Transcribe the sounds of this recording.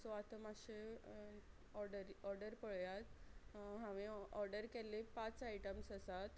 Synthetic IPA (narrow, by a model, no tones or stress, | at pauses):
sɔat̪əmaɕe | ɔɾɖəɾɔɾɖəɾpəɭjat̪ɦãʋeɔɾɖəɾkɛlepat͡sajʈəmsəsat̪